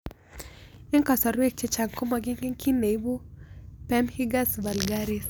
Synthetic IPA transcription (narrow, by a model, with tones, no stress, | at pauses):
ɛ˦ŋka˨sɔ˨ɾwe˦k̚t͡ʃɛ˦t͡ʃa˨ŋkɔ˦mɔ˧ɡi˦ŋɡi˦ŋki˦ne˨jbu˦pɛ˦mhi˦ɡa˦sba˨lɡa˦ɾi˦s